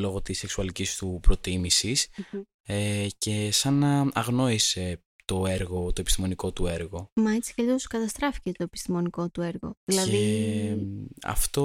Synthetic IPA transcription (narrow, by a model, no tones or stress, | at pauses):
lo̞ɣo̞t̪iseksuɐlicist̪upɾo̞t̪imisis | ece̞sɐnɐɐɣno̞ise̞ | t̪o̞e̞ɾɣo̞t̪o̞epist̪imo̞niko̞t̪ue̞ɾɣo̞mɐet͡si̥ceʎioskɐt̪ɐst̪ɾɐfi̥cet̪o̞epi̥st̪imo̞niko̞t̪ueɾɣo̰ðilɐðei | ɐ̰ft̪o̞